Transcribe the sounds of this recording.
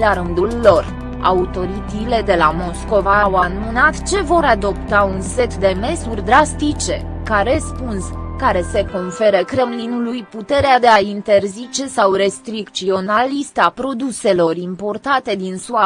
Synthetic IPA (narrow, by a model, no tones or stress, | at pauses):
laɾɨnd̪ulːo̞r | a̰ut̪o̞ɾit̪ile̞d̪e̞lamo̞sko̞vawanmɨnat̪t͡ʃe̞vo̞ɾad̪o̞pt̪aunse̞t̪d̪e̞me̞surʲd̪ɾast̪it͡ʃe̞ | kaɾe̞spunskaɾe̞se̞ko̞nfe̞ɾəkɾe̞mlinulujput̪e̞ɾead̪e̞aint̪e̞rzit͡ʃe̞sawɾe̞st̪ɾikt̪sio̞nalist̪apɾo̞d̪use̞lo̞rimpo̞rt̪at̪e̞d̪insua